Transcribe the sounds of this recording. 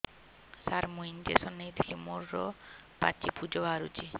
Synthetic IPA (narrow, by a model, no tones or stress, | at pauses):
saɾmuind͡ʒesɔnːed̪ʱimuɾːɔ̰pa̰t͡ʃipud͡ʒobʱaɾṵt͡ʃi